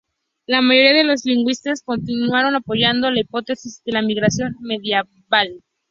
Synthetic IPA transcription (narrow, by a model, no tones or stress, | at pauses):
lamaʝo̞ɾiaðe̞lo̞zliŋɡwist̪asko̞nt̪inwaɾo̞napo̞ʝand̪olaipo̞t̪e̞sizðe̞lamiɣɾasjo̞nme̞ðje | βal